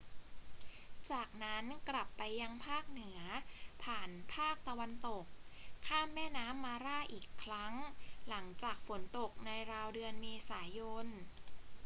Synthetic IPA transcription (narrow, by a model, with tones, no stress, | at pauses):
t͡ɕaː˨˩k̚na˦˥nkɾa˨˩pːa˧jːa˧ŋpʰaː˥˩k̚nɯ˩˦ɐpʰaː˨˩npʰaː˥˩k̚t̪a˧wa˧nt̪o˨˩k̚ʰːaː˥˩mːɛː˥˩naː˦˥mːaː˧ɾaː˥˩ʔiː˨˩kʰːɾa˦˥ŋla˩˦ŋt͡ɕaː˨˩k̚fo˩˦nt̪o˨˩k̚na˧jɾaː˧wdɯ˧ənmeː˧saː˩˦jo˧n